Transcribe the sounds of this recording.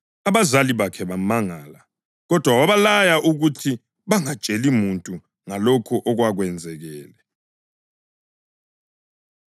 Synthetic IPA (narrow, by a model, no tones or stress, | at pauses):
aβazaliβakʰɛβamaŋaːla | ɣɔd̥ʱwawaβalajaʔuɣutʰi | βaŋḁt͡ʃʼelimuntʼu | ŋalɔkʰɔʔɔɣwaɣwɛnd͡zʱɛɣɛːlɛ